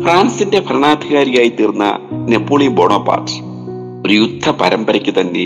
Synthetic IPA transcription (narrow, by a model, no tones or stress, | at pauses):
fraːnsinde̞pɐrɐɳaːd̪ʱiɣaːɾiɣaːjit̪ːirnːɐ̰ne̞pːoːɭimboːɳoːpːa̰ːʈːɨ̥ | oɾujud̪ʱʰːɐpɐɾɐmbɐɾɐkʲːut̪ɐnːe̞